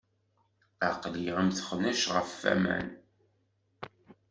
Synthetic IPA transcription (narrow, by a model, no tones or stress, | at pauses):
aqliʁəmθəχnæʃʁəfːæ̰mæ̰n